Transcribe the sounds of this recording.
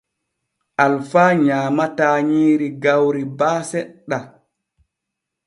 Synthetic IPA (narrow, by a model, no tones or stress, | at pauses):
ʔalfaːɲaːmataːɲiːɾiɡawɾibaːsɛɗːa